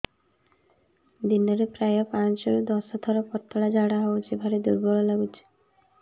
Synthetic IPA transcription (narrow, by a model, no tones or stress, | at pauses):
d̪inɔɾepɾajɔpat͡ʃɔɾod̪ɔsɦɔt̪ʰɔɾɔpɔɾt̪ːɔɽad͡ʒaɽaɦowt͡ʃʰebʱaɾed̪ṵɾbɔlɔlaɡut͡ʃʰi̥